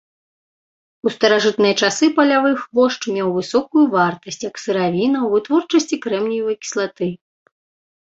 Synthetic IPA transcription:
ust̪ɐɾaʐɨt̪nɨjɐt͡ʂasɨpɐlʲavɨxvɔʂt͡ʂmʲɛwvɨsɔkujuvart̪ɐsʲt͡sʲjɐksɨɾavʲinɐwvɨt̪vɔrt͡ʂɐsʲt͡sʲikɾɛmnʲijuvɐkʲi̥slˠat̪ɨ

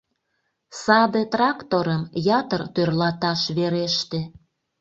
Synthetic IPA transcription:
sɑd̪et̪rɑkt̪oɾəmjɑt̪ərt̪ørlɑt̪ɑʃβeɾeʃt̪e

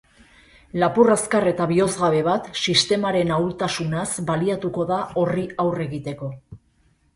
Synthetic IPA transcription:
lapuraskare̞t̪aβio̞zɣaβe̞βat̪sist̪e̞maɾe̞nawlt̪asunasbaliat̪uko̞ðao̞riawre̞ɣit̪e̞ko̞

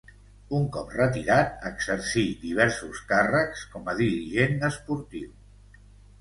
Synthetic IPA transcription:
uŋkɔp̚rət̪iɾat̪̚əɡzəɾsid̪iβ̞ɛɾsuskarəkskɔməðiɾiʒenəspuɾt̪iw

